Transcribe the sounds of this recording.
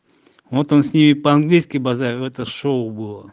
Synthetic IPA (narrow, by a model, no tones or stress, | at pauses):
vot̪onsʲnʲimʲɪpəanɡlʲijskʲɪjbɐzaɾʲɛt̪əʂoʊbɨlˠə